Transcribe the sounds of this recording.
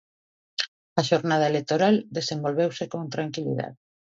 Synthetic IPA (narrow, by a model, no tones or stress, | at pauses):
aʃoɾnað̞ɐelek̚t̪oɾald̪esembolβewsekont̪ɾaŋkilḭða̰ð